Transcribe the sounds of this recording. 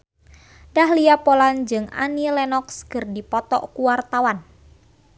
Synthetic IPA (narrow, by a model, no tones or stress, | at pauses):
dahliapoland͡ʒɨŋa̰nilɛnɔkskɨrdipɔt̪ɔ̰ʔkuwart̪awan